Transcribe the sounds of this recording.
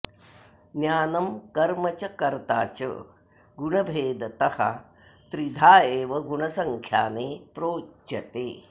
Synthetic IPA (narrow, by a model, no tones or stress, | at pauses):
njaːnɐmkɐɾmɐt͡ʃɐkɐɾt̪a̰ːt͡ʃɐ̰ | ɡuɳɐbʱeːd̪ɐt̪ɐhɐ̰ | t̪ɾid̪ʱaːjeːʋɐɡuɳɐsɐŋkʰjaːneːpɾoːɐt̪eː